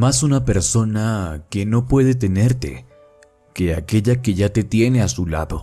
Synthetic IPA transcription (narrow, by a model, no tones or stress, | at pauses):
masunape̞ɾso̞nake̞no̞pwe̞ðe̞t̪̬e̞ne̞ɾt̪e̞̰ | ke̞ake̞ʎake̞ʝat̪e̞t̪je̞ne̞asula̰ðo̞